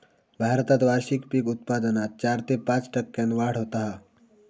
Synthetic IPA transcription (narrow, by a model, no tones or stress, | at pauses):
bʱaːɾət̪ad̪ʋaːɾʃikpikʊt̪̚paːd̪ənaːt̪̚t͡ʃaːɾt̪epãːt͡ʃʈɐkːẽnʋaːɽ̤ɦoːt̪aɦɛː